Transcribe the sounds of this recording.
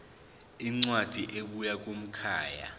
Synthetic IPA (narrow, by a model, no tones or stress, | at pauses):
iŋ͡ǀwad̥ʱiʔeɓujakʼum̩kʰaːja̰